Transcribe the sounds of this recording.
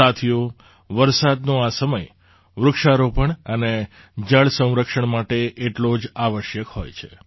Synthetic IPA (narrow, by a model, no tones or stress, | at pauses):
at̪ʰijo | ʋəɾsad̪noasəməj | ʋɾʊkʃaɾopəɳəne | d͡ʒəɭsə̃w̃ɾəkʂəɳmaʈeʔeʈlod͡ʒaʋəʃjəkɦo̰jt͡ʃʰe